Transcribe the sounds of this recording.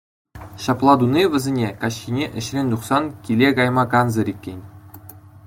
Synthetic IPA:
ɕɑplˠɑd̪uniʋʲɘ̆zʲenʲekɑɕxʲinʲeʔɘ̆ɕrʲenʲd̪uχsɑnkʲilʲekɑjmɑkɑnzɤ̆ɾʲikʲːenʲ

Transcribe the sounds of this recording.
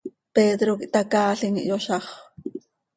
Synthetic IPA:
peːd̪ɾokiʔt̪akaːɬiŋḭʔjoʃɑχ

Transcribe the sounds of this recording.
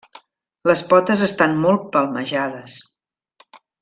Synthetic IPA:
ləspɔt̪əzəst̪anmɔlˠt̪̚pəlˠməʒaðəs

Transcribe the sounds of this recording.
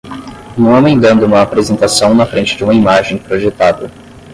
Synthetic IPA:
nũw̃amẽj̃d̪ɐ̃nd̪ʊũmɐːpɾezẽnt̪asɐ̃w̃nɐfɾẽnt͡ʃɪd͡ʒɪũmɐimaʒẽj̃pɾoʒet̪ad̪ɐ

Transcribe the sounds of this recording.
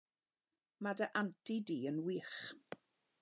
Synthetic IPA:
madəʔantʰidiːənwiːχ

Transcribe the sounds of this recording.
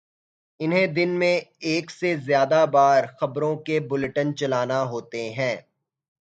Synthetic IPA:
ɪnɦẽd̪ɪnmẽeːksezjaːd̪abaːɾxɐbɾõkebʊlʈənt͡ʃɐlaːnaɦoːt̪eɦɛ̃ː

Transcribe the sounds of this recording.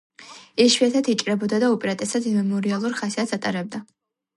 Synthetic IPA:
ɛʃwiat̪ʰat̪ʰit͡ʃʼɾɛbɔd̪ad̪aɔpʼɛɾat̪ʼɛsad̪imɛmɔɾialˠuɾχasiat̪sat̪ʼaɾɛb̚d̪a

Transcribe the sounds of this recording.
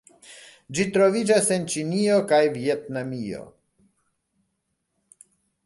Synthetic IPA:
d͡ʒitɾo̞vid͡ʒase̞nt͡ʃinio̞kajvietnamio̞̰

